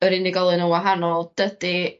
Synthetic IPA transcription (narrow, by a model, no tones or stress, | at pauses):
əɾɪnɪɡɔlˠɨnənwaɦanɔlˠd̥əd̥i